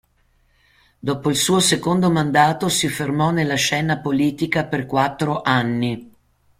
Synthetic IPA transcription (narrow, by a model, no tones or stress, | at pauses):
d̪ɔːpoilsuːosekond̪omand̪aːt̪osifermɔnelːaʃɛːnapoliːt̪ikaperkwat̪ːɾoʔanːi